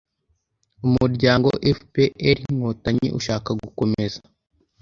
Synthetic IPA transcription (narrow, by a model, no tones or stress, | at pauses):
umuɾɟaːŋɡo̞̰ʔefpeʔeɾiŋ̥oːtaɲḭʔṵʃaːkaɡuko̞me̞za